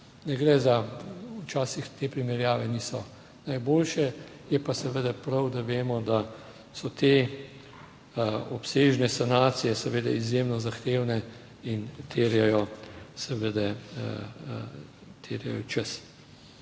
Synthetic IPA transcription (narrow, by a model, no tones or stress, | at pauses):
nɛɡɾɛzaut͡ʃaːsixt̪eːpɾimɛɾjaːʋɛniːsɔ | najboːlʃɛ | jɛpasɛʋəd̪ɛpɾɐwd̪aʋeːmɔd̪a | sɔt̪eː | ɔpseːʒnɛsanaːt̪sijɛsɛʋeːd̪ɛizjemnɔzaxt̪eːwnɛ | int̪ʰeːɾjajɔsɛʋəd̪ɛ | t̪ʰeːɾjɛ̰jɔt͡ʃəs